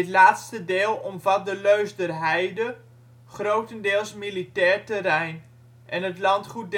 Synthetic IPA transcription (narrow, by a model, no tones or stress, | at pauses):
ɪtlaːtstədɪːlˠɔmvɑt̚dəløɥsdərɦɛjdə | χrowtəndɪːlˠsmilitɛːɹtərɛjn | ʔɛnətlɑntχut̚d